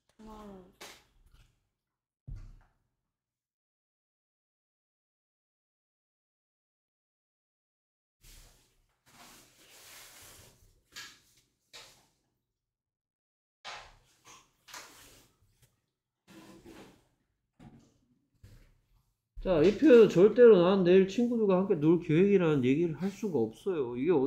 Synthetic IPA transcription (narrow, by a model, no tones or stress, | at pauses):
t͡ɕaipʰjoeot͡ɕʌɭt͈e̞ɾonaɯnːeiɭt͡ɕʰinɡuduɡahamk͈e̞nuɭkjowe̞ɡiɾanɯnje̞ɡiɾɯɭhaɭs͈uɡaʌp̚s͈ʌjoiɡe̞ʌ